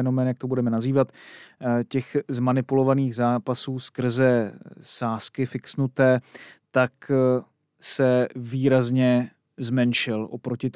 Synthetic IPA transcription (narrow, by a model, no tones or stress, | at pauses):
ɛno̞mɛːnjakt̪obudɛmɛnaziːvat̪ | cɛxzmanɪpulo̞vaniːɣzaːpasuːskr̩zɛsaːskɪfɪksnut̪ɛːt̪ak | sɛviːɾazɲɛ | zmɛnʃɪlʔopɾo̞cɪt̪